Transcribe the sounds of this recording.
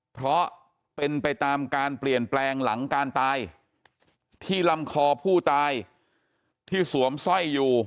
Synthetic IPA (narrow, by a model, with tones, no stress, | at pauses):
pʰɾɔ˦˥ | pe˧npa˧jt̪aː˧mkaː˧npli˨˩ənplɛː˧ŋla˩˦ŋkaː˧nt̪aː˧j | t̪ʰiː˥˩la˧˥mkʰɔː˧pʰuː˥˩t̪aː˧j | t̪ʰiː˥˩su˩˦əmsɔ˥˩jːuː˨˩